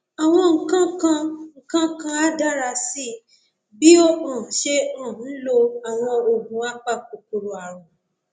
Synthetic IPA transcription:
a˨w̃ɔ̃˧ŋ̩˨kã˦kã˧ŋ̩˨kã˦kã˧a˦da˦ɾa˧si˦ | bi˦o˦ɔ̃˦˨˦ʃe˦ɔ̃˦˨˦n̩˦lo˧a˨w̃ɔ̃˧o˨ɡũ˨˦a˦k͡pa˦˨k͡p̚o˨ku˨ɾo˨a˨ɾ̃ɔ̃˨

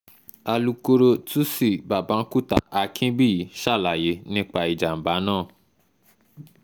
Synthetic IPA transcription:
a˧lu˧ko˧ɾo˧tu˦si˦˨ba˨bã˨˦n̩˦ku˦˨ta̰˨ʔa˧kʰĩ˦bi˦˨˦ʃa˦˨la˨je˨˦nĩ˦k͡pa˧i˨d͡ʒa˨m̩˨ba˨˦nãː˦˨

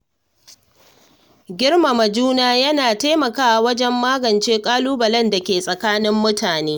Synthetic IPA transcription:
ɡʲɪ˦rma˨mɐ˨d͡ʒuː˦naː˦jɐ˦naː˨taː˦mɐ˨kaː˦ʔa˨wɐ˦d͡ʒɛ˦mːaː˦ɡɐ˨nt͡ʃeː˦kʼaː˦luː˦bɐ˨lɐ˦nda˨kʲeː˨sʼɐ˨kaː˦nɪ˦mːʊ˦taː˨neː˦

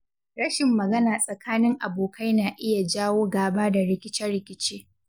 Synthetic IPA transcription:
ɾɐ˦ʃɪ˨mːɐ˨ɡɐ˦naː˨sʼɐ˨kʰaː˦nɪ˦ŋʔa˨boː˨kʰa˦jnaː˨ʔɪ˦ja˨d͡ʒaː˦woː˦ɡaː˨baː˦da˨ɽɪ˦kʲɪ˦t͡ʃɛ˦rɽɪ˨kʲɪ˦t͡ʃeː˦

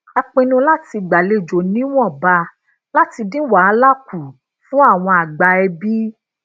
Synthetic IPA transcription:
a˧k͡pĩ˧nũ˧la˦ti˧ɡ͡ba˨le˧˨d͡ʒo˨nĩ˨˦w̃ɔ̃˦˨ba˧ | la˦ti˧dĩ˦wa˨˦a˧la˦ku˨ | fũ˦a˦˨w̃ɔ̃˧a˨ɡ͡ba˧ɛ˧bi˦

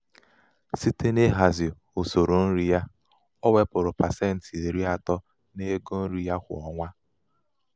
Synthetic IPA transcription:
si˦te˦ne˦ɦa˨zɪ˨ | o˨so˨ɾo˨n̩˦ɾi˦ja˦ | ɔ˦we˦pʊ˨ɾʊ˨pa˨se˦˨n̩˨ti˨e˨ɾi˦a˦tɔ˦ | ne˦ɡo˦n̩˦ɾi˦ja˦kʷʊ̰˨ɔ˨ŋʷa˦

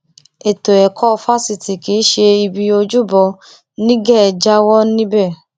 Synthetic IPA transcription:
e˨to˨ɛ˨kʰɔ˦˧fa˦si˧˨ti˨ki˨˦ʃe˧i˧bi˧o˧d͡ʒu˦bɔ˧ | nĩ˦ɡɛ˦˨d͡ʒa˦wɔ˦nĩ˦bɛ˦˨

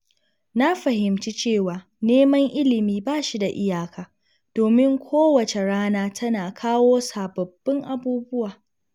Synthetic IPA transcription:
na˦ɸɐ˨ɦɪ˨mt͡ʃi˦t͡ʃeː˦˨waː˨ | neː˦mɐ˦ŋʔɪ˦lɪ˨miː˦baː˦˨ʃi˦da˨ʔɪ˦jaː˨kʰaː˨ | d̥oː˨mɪ˦ŋkʷʰoː˦wɐ˨t͡ʃe˨ɽaː˦naː˦tʰɐ˦naː˨kʰaː˦woː˦saː˨bɐ˨bːɪ˦ŋʔa˨buː˦bʊ˦waː˨

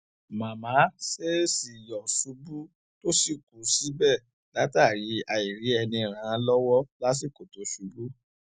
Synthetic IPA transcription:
mã˨mã˨˦se˦si˨jɔ˨su˨˦bu˦ | to˦si˦˨ku˨si˨˦bɛ˦˨ | la˨˦ta˦˨ɾi˨˦a˧i˨ɾi˨˦ɛ˧nĩ˧˨ɾ̃ã˨˦˧lɔ˦wɔ˦la˦s̬i˦˨ko˨to˨˦su˨˦bu˦

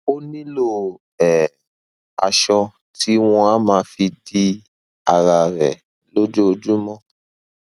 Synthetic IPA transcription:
o˦nĩ˦lo˦˨ | ɛ˨ | a̰˧ʃɔ˧ | ti˦w̃ɔ̃˧a˦mãː˨˦fi˧di˧˦ | a˧ɾa˧ɾɛ̰˨ | lo˦d͡ʒo˦o˧d͡ʒu˦mɔ̃˦

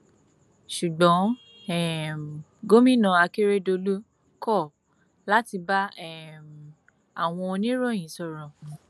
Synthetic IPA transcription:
ʃu˨ɡ͡bɔ̃˨˦ | ɛ˦˨m | ɡo˦mĩ˦nã˧a˧ke˦ɾe˦do˧lu˦ | kɔ˦˨ | la˦ti˧ba˦ɛ˦˨m | a̰˨w̃ɔ̃˧o˧nĩ˦ɾɔ̃˦˨j̃ĩ˨˦sɔ˦˨ɾ̃ɔ̃˨

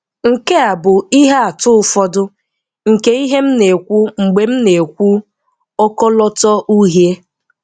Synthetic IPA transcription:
ŋ̩˨ke˦a˨bʊ˨i˦ɦe˦a˨tʊ˦ʊ˦fɔ˦dʊ˦ | ŋ̩˨ke˦i˦ɦe˦m̩˦ne˨kʷu˦ŋ͡m̩˨ɡ͡be˨m̩˦ne˨kʷu˦ | ɔ˦kɔ˦lɔ˦tɔ˦ʔu˦ɦje˦

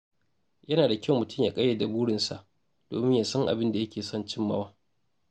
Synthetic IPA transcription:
jɐ˦naː˨da˨kʲɐ˦˨mʊ˨tʊ˦˨mjaː˨kʼɐ˦jːe˨da˨buː˦ɽɪ˨nsa̰˨ʔ | d̥o̰ː˨mɪ˦ɲjaː˨sɐ˦ŋʔa̰˨bɪ˦nda˨jɐ˦kʲeː˨sɔ˦˨nt͡ʃɪ˦mːɐ̰˦waː˦

